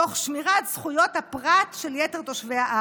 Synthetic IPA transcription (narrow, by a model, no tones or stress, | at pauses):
oχʃmiʁatz̥χujo̞thapʁatʃeljeteʁt̪o̞ʃveaʔa